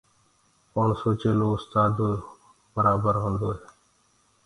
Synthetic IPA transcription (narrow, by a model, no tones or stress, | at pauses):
poɳsoːt͡ʃeːloːʊst̪aːd̪ | bəɾaːbəɾɦõːnd̪oːɦeː